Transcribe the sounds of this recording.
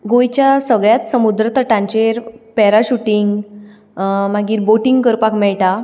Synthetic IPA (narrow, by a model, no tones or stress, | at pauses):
ɡojt͡ɕjasəɡɭjat̪səmud̪ɾət̪əʈãɲt͡ɕeɾpɛɾaɕuʈiŋɡ | maɡiːɾboʈiŋɡkəɾpakmɛɭʈa